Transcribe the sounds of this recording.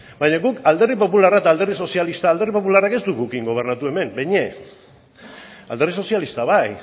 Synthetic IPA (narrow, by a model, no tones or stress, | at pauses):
bajɲaɣukald̪e̞rðip̬o̞pularat̪aːld̪e̞rðiso̞sialist̪aːld̪erip̬o̞p̬ularake̞zd̪uɣukiŋɡo̞β̞e̞rnat̪ue̞me̞mbeɲe | a̰ld̪e̞rðiso̞sialist̪aβaj